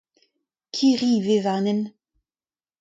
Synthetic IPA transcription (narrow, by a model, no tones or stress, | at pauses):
kʰiʁivevanɛn